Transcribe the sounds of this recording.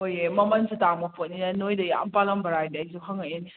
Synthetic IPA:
ojemɐmɐnsutamɐpʰot̚ninɐnojdɐja̰mpalɐmbɐɾajdajsuɦaŋain

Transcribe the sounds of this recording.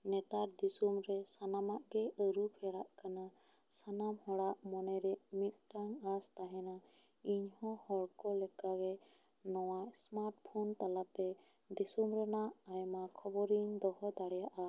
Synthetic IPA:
nɛt̪aɾd̪isumɾɛsanamaʔɡɛʔəɾupʰɛɽaʔkana | sanamhɔɽaʔmɔnɛɾɛmit̪̚ˀʈaŋast̪aɦɛna | iɲhɔ̃hɔɽkɔlɛkaɡɛ | nɔwajsmaɾʈ̚pʰunt̪alat̪ɛ | d̪isumɾɛnaʔajmakʰɔbɔɾiɲd̪ɔhɔd̪aɽɛjaʔa

